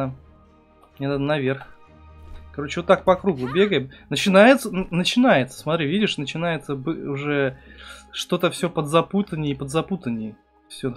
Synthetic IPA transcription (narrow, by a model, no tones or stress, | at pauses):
jʲanad̪ənɐvʲerx | kɐɾo̞t͡ɕɪvot̪ːak̚pɐkɾuɡʊbʲe̞ɡəjɪmnət͡ɕɪnajɪt̪sənnət͡ɕɪnajɪt̪sə̥smɐt̪ɾʲivʲidʲɪʂnət͡ɕɪn̪ajɪt̪səbɨʊʐɛ | ʂt̪o̞t̪əfsʲopəd̪zɐput̪ənʲɪpəd̪zɐput̪ənʲɪj | fsʲɵ